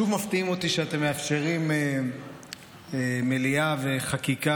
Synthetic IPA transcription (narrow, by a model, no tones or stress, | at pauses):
uvmaft̪iimo̞t̪iʃeat̪e̞mːeafʃe̞ʁime | emeliave̞χakika